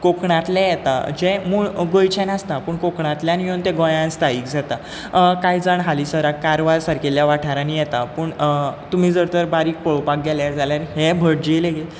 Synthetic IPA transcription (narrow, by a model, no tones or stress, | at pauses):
kokɳãt̪lãjɛt̪a̰d͡ʑẽmuɭɡojt͡ɕʰɛnast̪apəːɳkokɳãt̪ljanjõnt̪ɛɡɔ̃jãnst̪ʰaiːkd͡zat̪a | kaid͡zaɳɦalisəɾakːaɾʋaɾsaɾkʰeljaʋaʈʰaɾanijɛt̪apəːɳt̪um̤iːd͡zəɾt̪əɾbaɾiːk̚pəɭopak̚ɡɛljaɾd͡zʱaljaɾɦebʱəɽ̚d͡ʑeleɡel